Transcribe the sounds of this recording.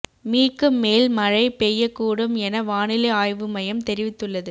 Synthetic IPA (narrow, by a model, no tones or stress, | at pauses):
miːkːɯmːeːlmɐɻɐɪpejːɐkːuːɽɯmɛnɐʋaːnɪlɐaːjʋɯmɐjɐmt̪ɛɾɪʋɪt̪ːɯɭːɐðɯ